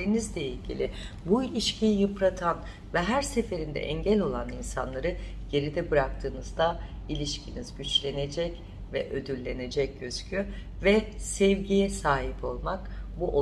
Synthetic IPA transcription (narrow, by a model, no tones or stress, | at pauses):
eɾinizlʲeilʲɟḭlʲi | builʲiʃcʰijijɯpɾat̪ʰan | vɛɦæɾse̞fe̞ɾind̪ɛ̰ʔɛɲɟælʲo̞lˠaninsanlˠaɾɯ | ɟ̥e̞ɾid̪ɛbɯɾak̚t̪ʰɯːnɯzd̪a | ilʲiʃcʰinizɟyt͡ʃlʲe̞ne̞d͡ʒɛc | vɛ̰ʔød̪yɾlʲe̞ne̞d͡ʒɛc̚ɟøzcʰyvɛsɛvɟijɛsaːɦipo̞lˠmakbuʔo